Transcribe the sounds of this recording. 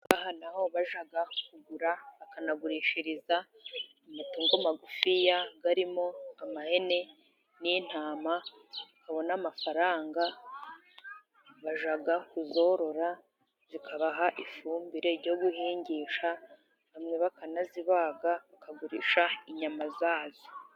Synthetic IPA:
ɡahanaho̞βaʒaɡakuɡuɾaβakanaɡuɾiːʃiɾiza | umatuːŋɡomaɡufijaɡaɾimo̞amahe̞ne̞ | nin̥haːma | βakaβo̞naːmafaɾaːŋɡa | βaʒaɡakuzo̞ɾo̞ɾa | z̥ikʰaβaɦaʔifuːmbiɾe̞ɾɟo̞ɡuhiːɲɟiʃa | βamŋe̞βakanaziβaɡaβakaɡuɾḭːʃaiɲamazaːzi

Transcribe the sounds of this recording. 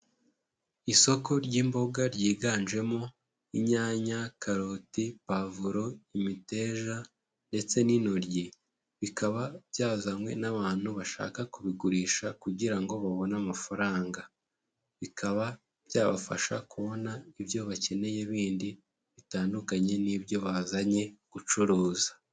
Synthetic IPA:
iso̞ko̞ɾɟiːmbo̞ɡaɾɟiːɡaːnʒe̞mo̞ | iɲaːɲakaɾotipavuɾo̞imite̞ːʒa | nde̞t͡se̞nino̞ɾɟi | βikaβabjaːzamwe̞̰naβaːn̥huβaʃa̰ːkakuβiɡuɾiːʃakuɟiɾaŋɡo̞βaβo̞namafaɾaːŋɡa | βikaβa | bjaːβa̰fa̰ʃakuβo̞naiβjo̞βace̞ne̞jeβiːndi | βitaːndukaɲe̞niβjo̞βazaɲe̞ɡ̥ut͡ʃuɾuːzḁ

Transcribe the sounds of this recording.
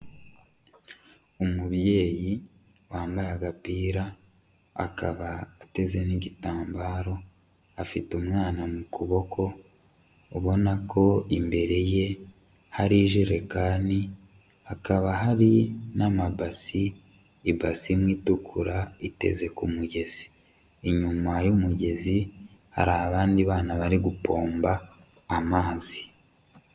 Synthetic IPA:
umuβje̞ːji | waːmbajaɡapiːɾa | a̰ka̰βaːte̞ze̞niɟitaːmbaːɾo̞ | afitumŋaːnamukuβo̞kʰo̞ː | βo̞nako̞imbe̞ɾe̞je̞ | haɾiʒiɾe̞kaːni | hakaβaɦaɾinamabasiː | basimwiːtukʰuɾaite̞̰ze̞kumuɟe̞z̥iː | ɲumajumuɟe̞ziha̰ɾaβaːndiβaːnaβaɾiɡupo̞ːmbaː | maːzi

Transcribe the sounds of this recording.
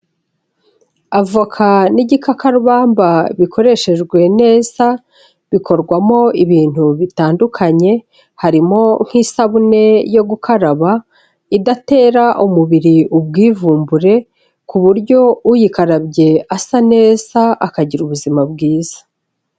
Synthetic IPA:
avakʰaniɟikʰakaɾuβaːmbaβikʰo̞ɾe̞ʃe̞ʒɡwe̞ne̞ːz̥a | βikʰo̞ɾɡwamo̞iβiːn̥huβitaːndukʰaɲe̞ | haɾimo̞ŋ̥hisaβune̞jo̞ɡukʰaɾaβa | idate̞ːɾaʔumuβiɾiub̚ɡiːvuːmbuɾe̞ | kuβuɾɟo̞ujikaɾabɟe̞asane̞ːz̥aʔakaɟiɾuβuzimabɡiːz̥ḁ

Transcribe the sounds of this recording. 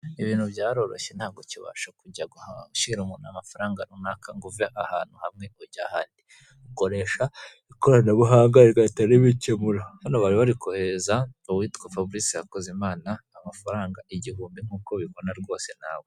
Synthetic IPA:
iβiːnhuβɟaːɾo̞ɾo̞̰ʃen̥haːβɡociβa̰ːʃakuɟaɡuhauʃiɾumuːnamafaɾaːŋɡaɾunakaŋɡuvaʔaha̰ːn̥huhamŋe̞oɟahaːndi | uko̞ɾe̞ʃa | ikoɾanaβuɦaːŋɡajeɾɡaitaɾeβicemuɾohanoβaɾiβaɾikʰohezaowiːtkwafabuɾisijakozemaːnaːmafaɾaːŋɡaʔiɟihuːmbiŋ̥uːkoβiko̞naɾɡo̞ːse̞n̥a̰ːw

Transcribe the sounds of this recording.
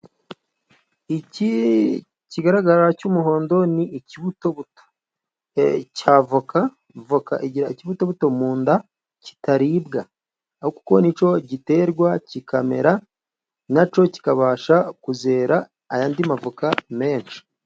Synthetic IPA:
ici | ciɡaɾaɡaɾacumuɦo̞ːndo̞niːciβuto̞βuto̥ | caːvoka | voka̰ʔiɟiɾaiciβuto̞βuto̞muːnda | ci̥taɾibɡaː | huku̥koniːt͡ʃo̞ɟite̞ɾɡwacikame̞̰ɾa | nat͡ʃo̞ci̥kaβaːʃakuze̞ːɾaː | jaːndimavukame̞ːnʃi̥

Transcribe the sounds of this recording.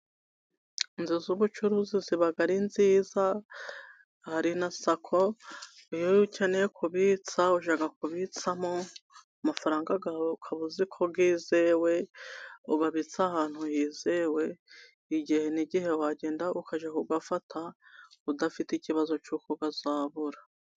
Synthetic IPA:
nzizuβut͡ʃuɾuziziβaɡaɾinziːza | haɾinasakʰoijocenejekʰuβit͡sauʒaɡakuβit͡samoamafaɾaːŋɡaɡaːwoukʰaβuzikʰoɡiːzewe̞uɡaβit͡sahaːn̥hujiːzewe̞ | iɟihe̞niɟihe̞waɟe̞ːndaʔukʰaʒekuɡafatʰaudafiticiβazo̞t͡ʃukʰoɡazaːβuɾa

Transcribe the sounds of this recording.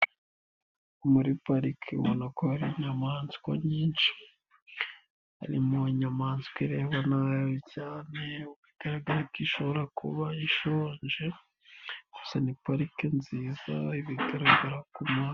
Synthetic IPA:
umuɾipaɾikʰiṵβonakohaɾiɲamaːnzkwa̰ɲiːnʃi̥ | ha̰ɾḭmoiɲamaːnzkwiɾe̞ːβanajocaːne̞uβiɡ̥aɾaɡaɾakiʃo̞βoɾakʰṵβaiʃoːɲʒe | ɡ̥usanipaɾikenziːza̰iβiɡaɾaɡaɾakuma

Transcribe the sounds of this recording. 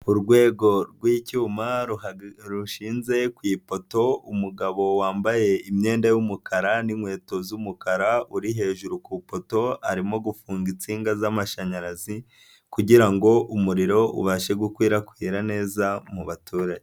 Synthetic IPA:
uɾɡwe̞ːɡo̞ɾɡwiːcuːma | ɾuʃiːnze̞kwiːpo̞to̞umuɡaβo̞waːmbaje̞imɲe̞ːndajumukʰaɾanimwe̞ːto̞zumukaɾauɾiɦe̞ːʒuɾukupo̞to̞a̰ɾimo̞ɡufuːŋɡit͡siːŋɡazamaʃaɲaɾazi | kuɟiɾaŋɡo̞ʔumuɾiɾo̞ṵβaʃe̞ɡukwiːɾakwiːɾane̞ːzamuβatʰuːɾaɟe

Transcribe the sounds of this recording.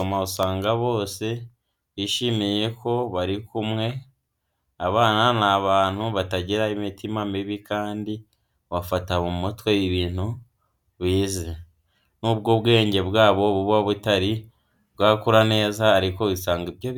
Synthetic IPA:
omaβusaːŋɡaβo̞ːse̞ | iʃimije̞ko̞βaɾikumŋe̞ | aβaːnanaːβaːn̥huβataɟiɾaimitimamiβikaːndi | βafataβumotwejiβiːn̥hu | βiːze | nuːb̚ɡoβɡe̞ːɲɟe̞βɡaːβo̞βuβaβutaɾi | βɡaːkuɾane̞ːzaːɾiko̞βisaːŋɡiβjoβ

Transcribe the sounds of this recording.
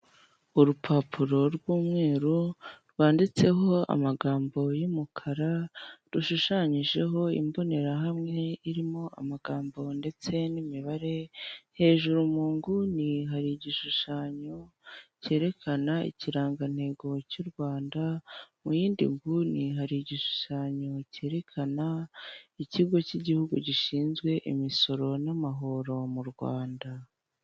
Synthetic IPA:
uɾupʰapʰuɾo̞ɾɡwuːmŋe̞ːɾuɾwaːndit͡se̞ɦo̞a̰maɡaːmbo̞jumukʰaɾaɾuʃuʃaɲiʒe̞ɦo̞ḭmbo̞ne̞ɾaɦamŋe̞iɾimo̞a̰maɡ̥aːmbo̞nde̞t͡se̞nimiβaɾe̞he̞ːʒuɾumuːŋɡuniɦaɾiɟiʃuʃaɲo̞ce̞ːɾe̞kʰanaḭciɾaːŋɡan̥he̞ɡo̞cuɾɡwaːndamujiːndḭŋɡuniɦaɾiɟiʃu̥ʃaɲo̞ce̞ːɾe̞kʰanaiciɡo̞ciɟihuɡṵɟiʃiːnzɡwe̞ʔimiso̞ɾo̞namaɦo̞ɾo̞muɾɡwa̰ːnda

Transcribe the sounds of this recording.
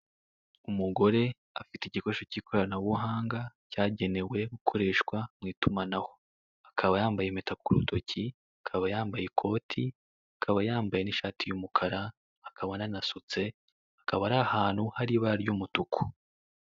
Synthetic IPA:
umuɡo̞ɾe̞ | afiteiɟiko̞ʃo̞ciːko̞ɾanawuɦaːŋɡacaːɟe̞ne̞we̞ɡukʰo̞ɾe̞ːʃkwamŋiːtumanaho̞ | akʰaβajaːmbajemetakuɾṵto̞cʰi | akʰaβajaːmbajekʰo̞ːtʰi | akʰaβajaːmbaje̞niʃaːtijumukʰaɾaː | kʰaβananasut͡se̞ | akaβaɾahaːn̥huhaɾiβaaɾɟumutukʰu̥

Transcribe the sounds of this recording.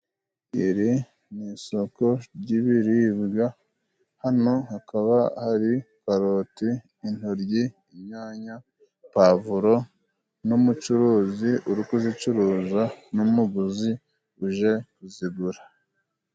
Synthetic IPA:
iɾi | niːso̞ko̞ɾɟiβiɾiːβɡa | hano̞hakaβahaɾi | kaɾotiː | n̥oɾɟi | imɲaːɲa | pavuɾo̞ | numut͡ʃuɾuːziʔuɾukuzit͡ʃuɾuːzanumuɡuzi | uʒekuziβuɾa

